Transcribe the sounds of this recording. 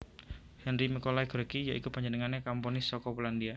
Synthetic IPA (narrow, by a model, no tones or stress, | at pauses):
hɛnrimikolaiɡəɾkijaʔikupaɲd͡ʒənəŋanekampɔnisɔkɔpulandia